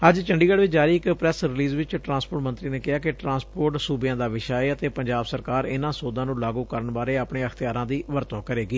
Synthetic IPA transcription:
əd͡ʒt͡ʃəɳɖiːɡəɽʋɪt͡ʃd͡ʒaːɾiːɪkpɾɛsɾɪliːzʋɪt͡ʃʈɾãːspoːʈmənt̪ɾiːneːkɪɦaːkɪʈɾãːspoːɾʈsuːbjãːd̪aːʋɪʃaːeːət̪eːpəɲd͡ʒaːbsəɾkaːɾɪnãːsoːd̪ãːnũːlaːɡũːkəɾəɳbaːɾeːəpɳeːəxʰt̪ɪjaːɾãːd̪iːʋəɾt̪õːkəɾeːɡiː

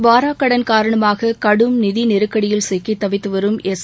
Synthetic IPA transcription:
ʋaːɾaːkːɐɽɐnkaːɾɐɳɐmaːɣɐkɐɽɯmnɪðinɪɾɯkːɐɽɪjɪlsɛkːɪt̪ːɐʋɪt̪ːɯʋɐɾɯmɛs

